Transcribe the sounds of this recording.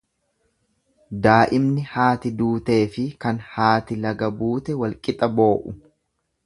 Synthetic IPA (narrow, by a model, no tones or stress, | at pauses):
d̪aːʔɪmnɪhaːt̪ɪd̪uːt̪e̞ːfɪkɐnhaːt̪ɪlɐɡɐbuːt̪ɛwɐlkʼɪt̪ʼɐbo̞ːʔʊ